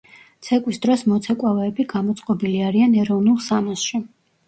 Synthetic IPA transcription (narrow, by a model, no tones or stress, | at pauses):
t̪sʰɛkʼwisd̪ɾɔsmɔt̪sʰɛkʼwavɛːbiɡamɔt̪sʼqʼɔbiliaɾianɛɾɔvnulˠsamasʃi